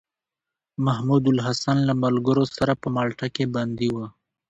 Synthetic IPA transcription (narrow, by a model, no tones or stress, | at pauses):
mɐɦmuːd̪ʊlɦɐsanlamɐlɡəɾosɐɾapəmalʈakebɐnd̪iwa